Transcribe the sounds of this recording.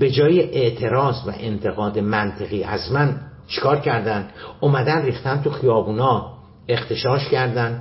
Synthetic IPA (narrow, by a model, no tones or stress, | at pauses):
be̞d͡ʒɒːjeʔeʔt̪ʰe̞ɾɒːzvæ̰ʔent̪ʰe̞ɣɒːd̪emænt̪ʰeɣiːʔæ̰zmæn | t͡ʃʰe̥kʰɒːɾcʰæɾd̪ænd̪omæd̪ænriːxt̪ænt̪ʰuxijɒːbuːnɒː | e̞χt̪ʰe̞ʃɒːʃcʰæɾd̪ænd̪